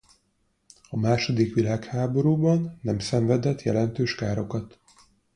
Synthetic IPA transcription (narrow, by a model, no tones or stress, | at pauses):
ɒmaːʃo̞d̪ikʋilaːkhaːbo̞ɾuːbɒnːɛmsɛɱvɛd̪ɛt̪jɛ̰lɛnt̪øːʃkaːɾo̞kɒt̪